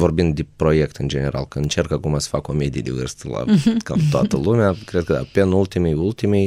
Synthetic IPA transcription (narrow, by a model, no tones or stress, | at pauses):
vo̞rbind̪d̪epɾo̞jekt̪ɨnd͡ʒe̞ne̞ɾa̰lkəɨnt͡ʃerkakumasə̥fakomed̪ied̪evɨrst̪la̰ka̰mt̪oa̰t̪əlumeakɾed̪̚kəd̪a̰penult̪imejult̪imej